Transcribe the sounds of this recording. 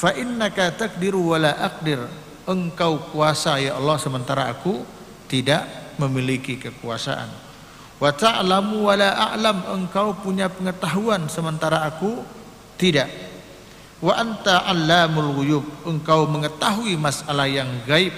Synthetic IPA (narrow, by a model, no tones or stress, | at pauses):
faʔɪnːakat̪ak̚dɪɾwalaʔak̚dɪr | ʔəŋkawkuasajaʔɑlːɑhsəmənt̪aɾaːku | t̪idaʔməmilikikəkuasa̰ʔa̰n | wat̪aʕlamuwalaʔa̰ʕlaməŋkawpuɲapəŋət̪aɦuansəmənt̪aɾaːku | t̪idaʔ | waʔant̪aʔalːamalɣujuːb̚əŋkawməŋət̪aɦuimasalahjaŋɡaɪp̚